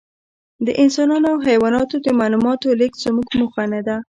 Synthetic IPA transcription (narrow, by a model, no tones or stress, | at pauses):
d̪əʔɪnsɑnɑnoawɦajwɑnɑt̪od̪əmɑlumɑt̪olɪkz̥əmuɡmʊxanad̪a